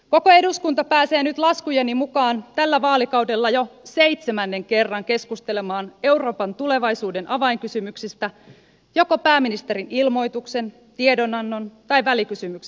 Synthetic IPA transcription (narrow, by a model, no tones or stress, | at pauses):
ko̞koe̞duskunt̪ɑpæːseːnyt̪lɑskujenimukɑːnt̪ælːæʋɑːlikɑwde̞lːɑjo̞se̞it̪semænːe̞ŋke̞rːɑŋke̞skust̪ele̞mɑːne̞wro̞ːpɑnt̪ule̞ʋɑjsuːdenʔɑʋɑiŋkysymyksist̪æ | jo̞ko̞pæːminist̪e̞ɾinilmo̞jt̪ukse̞n | t̪iedo̞nɑnːo̞nt̪ɑjʋælikysymyks